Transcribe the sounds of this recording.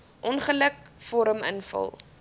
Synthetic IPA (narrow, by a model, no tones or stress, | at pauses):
ʔɔnχələkfɔɾəmənfɐ̰lˠ